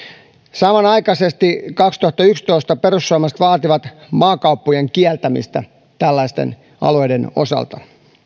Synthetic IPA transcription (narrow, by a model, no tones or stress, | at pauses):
sɑmɑnɑikɑsest̪ikɑkst̪uhɑt̪ːɑykst̪oist̪ɑpeɾusːuɑmɑst̪ʋɑːt̪iʋɑt̪mɑːkɑupːujeŋkiælt̪æmḭst̪æ̰ | t̪ælːæist̪ḛn | ɑ̰lojdeno̰sɑ̰lt̪ɑ